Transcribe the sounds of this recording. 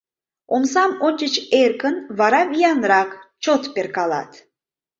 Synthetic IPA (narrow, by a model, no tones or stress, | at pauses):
omsɑmonʲt͡ʃət͡ɕerkənvɑɾɑvijɑnɾɑkt͡ʃot̪peɾkɑlɑ̰t̪